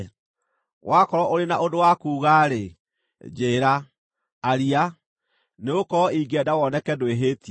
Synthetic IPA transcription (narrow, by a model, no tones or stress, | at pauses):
wʔakɔɾɔʔoɾenaʔodowakuːɣaːɾe | d͡ʒeːɾaː | ɾia | neokɔiɡɛdawɔnɛkɛdoeɦeːti